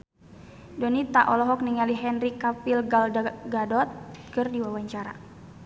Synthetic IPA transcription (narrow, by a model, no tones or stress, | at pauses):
dɔnit̪aʔɔlɔɦɔk̚niŋaliɦɛnrikapilɡalɡadɔt̪̚kɨrdiwawaɲt͡ʃaɾa̰